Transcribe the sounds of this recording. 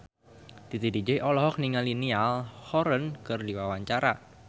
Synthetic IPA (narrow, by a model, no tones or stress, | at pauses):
d̪̥it̪idid͡ʒeʔɔlɔɦɔk̚niŋalinialhɔɾənkɨrdiwawaɲt͡ʃaɾa